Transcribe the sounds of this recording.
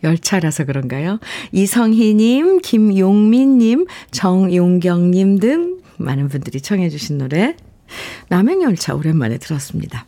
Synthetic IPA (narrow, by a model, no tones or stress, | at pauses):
jʌɭt͡ɕʰaɾasʰʌkɯɾʌnɡajoisʰʌŋɦiɲimkimjoŋmiɲːimt͡ɕʌŋjoŋɡjʌŋɲimdɯŋma̰nɯnbundɯɾit͡ɕʰʌŋɦe̞d͡ʑuɕʰinːoɾe̞ | name̞ŋjʌɭt͡ɕʰa̰oɾenma̰ne̞tɯɾʌs͈ɯmɲḭda